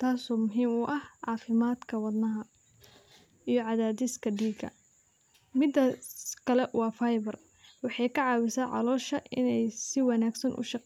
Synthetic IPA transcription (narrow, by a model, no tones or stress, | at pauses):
t̪ʰaːsɔːmʊɦiːmʊʔɐhʕɑːfɪmaːd̪kʰɐwɑd̪nɐɦɐ | ʔijɞʕɑðaːd̪ɪskʰɐɖiːɡɐ̰ | mɪd̪ɐkʰɐlɛwɑːfɐjβɐr | wɑħɑjkʰɐʕɑːwɪsaːʕɑ̰lɔːʃɐʔɪnɛjsɪwɑnaːɡsɐnʔʊ̰ʃɑ